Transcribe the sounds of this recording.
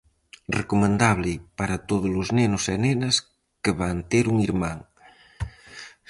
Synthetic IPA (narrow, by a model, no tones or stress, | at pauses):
rekomend̪aβlipaɾɐt̪oðoluznenosenenɐs | kəβant̪eɾuŋiɾmaŋ